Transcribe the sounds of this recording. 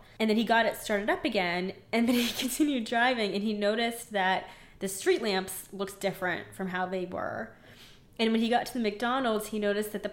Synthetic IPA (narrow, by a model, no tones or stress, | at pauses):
ɨ̃nðɨ̃niɡɑɾɨtstɑɹɾɨɾʌpɨɡɛ̃nɨ̃nðɨ̃nikʰɨ̃ntʰɪ̃njʉdɹaɪvɪ̃ŋɨ̃ninoʊɾɨsðɨt̪̚ | ðɨstɹ̥itˡlæ̃mpslʊksd̥ɪfɹɨ̰̃ntfɹʌ̃mɦaʊðeɪwə̰˞ | ɨ̃nwɨ̃niɡɑtʰɨðɨmɨk̚d̥ɑnl̩ˠdz̥hinoʊɾɨs̚ðɨt̪̚ðɨ